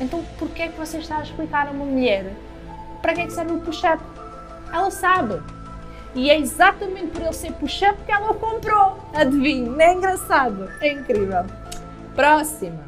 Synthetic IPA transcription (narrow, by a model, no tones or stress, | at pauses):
ẽnt̪ɐ̃w̃puɾkɛkvɔseʃt̪aɐʃplˠikaɾɐumɐmuʎɛɾ | pɐɾɐkɛksɛɾvupuʃɛp | ɛlˠɐsaβɨ | iɛizat̪ɐmẽnt̪̚pɔɾelˠseɾpuʃɐpkɛlˠɐkõmpɾo | ɐðviɲuɛĩŋɡɾɐsaðuɛĩŋkɾivɛlˠ | pɾɔsimu